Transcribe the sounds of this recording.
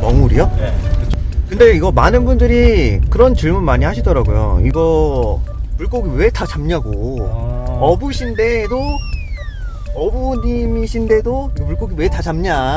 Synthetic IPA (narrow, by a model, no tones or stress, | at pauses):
mʌŋuɾḭjʌkɯt͡ɕʰokɯnde̞iɡʌmanɯnbundɯɾikɯɾʌnt͡ɕɯɭmunmaɲihaɕʰidʌɾaɡojo̰ḭɡʌ | puɭk͈oɡiwe̞tʰat͡ɕamɲaɡo | ʌbuɕʰinde̞do | ʌbuɲimiɕʰinde̞doiɡʌpuɭk͈oɡiwe̞tʰat͡ɕamɲa